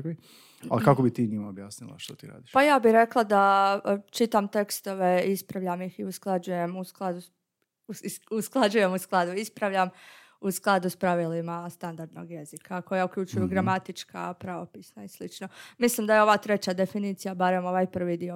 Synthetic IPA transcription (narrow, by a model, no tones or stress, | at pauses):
ki | a̰lkakobit̪iːɲimaobjaːsnilˠa̰ʃt̪ot̪ḭːɾa̰ːd̪iʃpajaːbiɾe̞klˠad̪at͡ʃit̪amt̪e̞kst̪o̞ʋe̞ispɾaʋʎamjixiusklˠad͡ʒuje̞musklˠad̪u | usklˠad͡ʒuje̞musklˠad̪uispɾaʋʎʲam | usklˠad̪uspɾaʋiːlimast̪and̪aɾd̪no̞̰ɡje̞zikʰako̞jauklʎut͡ʃujuɡɾamat̪it͡ʃka̰pɾaʋopiːsnaislit͡ʃno̞mislˠimd̪ajeo̞ʋaːt̪ɾe̞t͡ɕad̪e̞finiːt̪sijabaɾe̞mo̞ʋaːjpr̩ʋid̪io